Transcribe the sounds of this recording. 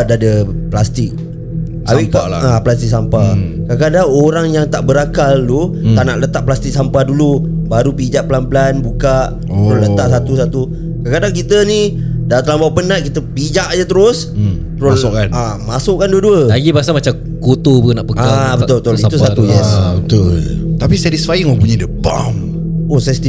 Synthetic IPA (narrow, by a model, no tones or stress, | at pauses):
dadəplast̪ɪk̚ | a̰wikaaplas̬t̪ik̚sampakakadaŋoɾaŋjaŋt̪aʔbəɾakalːut̪aʔnaʔlət̪aʔplast̪ik̚sampadulu | baɾupid͡ʒaʔpəlanpəlanbukaʔ | t̪əɾʊslət̪aʔsat̪usat̪u | kakadaŋk̬it̪ənidat̪əlambawpənaʔkit̪əpid͡ʒaʔɲət̪əɾʊs | t̪əɾʊaʊkanamasʊʔkanduəduəlaɡibaasamat͡ʃa | kot̪opunaʔpəkkaabət̪ʊlbət̪uit̪usat̪ujɛsbət̪ʊ̰lt̪apisɛdisfajəŋpuɲədəba̰m | osasit̪i